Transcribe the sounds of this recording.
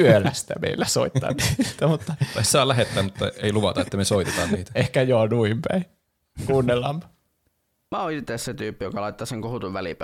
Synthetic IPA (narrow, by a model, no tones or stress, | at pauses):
ølæst̪æ̰mḛilːæso̰it̪ːɑ̰nniːt̪æmut̪ːɑt̪ɑssɑːlæɦet̪ːæːmmut̪ːɑeiluʋɑt̪ɑet̪ːæmesoit̪et̪ɑːnniːt̪æ̥ehkæjoːnuimpæ̰i | kuːnːelːɑmpɑ̥ | mæoit̪ːesset̪yːpːijokɑlɑit̪ːɑseŋkohut̪uʋʋælḭp